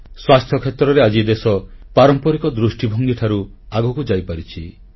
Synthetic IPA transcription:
swast̪ʰjɔkʰet̪ɾɔɾead͡ʒid̪esɔpaɾɔmpɔɾikɔd̪ɾusʈibʱɔŋɡiʈʰaɾuaɡɔkud͡ʒajpaɾit͡ʃʰi

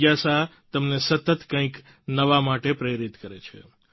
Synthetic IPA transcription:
jasa | t̪əmnesət̪ət̪kə̃ĩk | nəʋamaʈepɾeɾit̪kəɾet͡ʃʰḛ

